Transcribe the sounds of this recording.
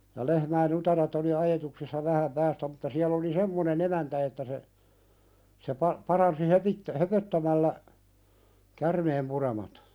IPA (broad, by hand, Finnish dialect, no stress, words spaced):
jɑ lehmæin utɑret oli ɑjetuksisːɑ ʋæhæm pæːstæ mutːɑ siæl oli semːonen emæntæ etːæ se se pɑ pɑrɑnsi hopitːæ høpøtːæmælːæ kærmeːmpuremɑt